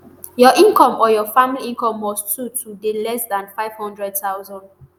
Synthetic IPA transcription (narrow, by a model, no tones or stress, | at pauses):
jɔʔĩnkɔ̃mʔɔjɔfãmiliĩnkɔ̃mːɔssutʰudelɛsdãnfaɪv̥hɔ̃ndɹɛd̚taʊzɔ̃nd